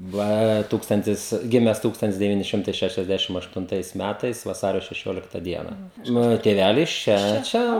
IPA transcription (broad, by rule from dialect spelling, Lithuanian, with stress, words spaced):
ˈʋɐ ˈtuːkstɐnʲtʲɪs ˈɡʲɪmʲɛs ˈtuːkstɐnʲtʲɪs dʲɛˈʋʲiːnʲɪ ˈʃʲɪmtɐɪ ʃʲɛʃʲɛzʲˈdʲæʃʲɪm ɐʃtʊnˈtɐɪs ˈmʲætɐɪs ʋɐˈsɑːrʲoː ʃʲɛˈʃʲoːlʲɪktɐ ˈdʲiɛnɐ ˈmɑːnoː tʲeːˈʋʲælʲɪs ˈt͡ʃʲɛ ˈt͡ʃʲɛ